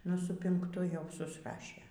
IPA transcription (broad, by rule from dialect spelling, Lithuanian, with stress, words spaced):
ˈnʊ sʊ pʲɪŋkˈtʊ jɛʊ sʊsˈrɑːʃʲeː